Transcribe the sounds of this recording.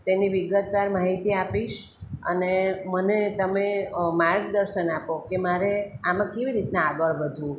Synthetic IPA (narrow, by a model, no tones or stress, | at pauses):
t̪eniʋiɡət̪ʋaɾmaɦit̪iapiʃ | ə̰nemənet̪əmemaɾk̚d̪əɾʃənapokemaɾeamãkeʋiɾit̪nãaɡəɭʋəd̪ʱũ